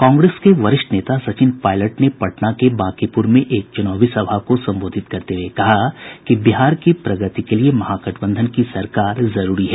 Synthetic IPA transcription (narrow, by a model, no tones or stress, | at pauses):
kãːŋɡɾeːskeʋɐɾɪʃʈəneːt̪asɐt͡ʃɪnpaːɪləʈnepɐʈnakebaːkipʊɾmẽʔeːk̚t͡ʃʊnaːʋisɐbʱakosɐ̃mboːd̪ʱɪt̪̚kɐɾt̪eɦwekɐɦakibiɦaːɾkipɾɐɡət̪ikeliemɐɦaːkɐʈbə̃nd̪ʱənkisɐɾkaːɾzɐɾuːɾiɦɛː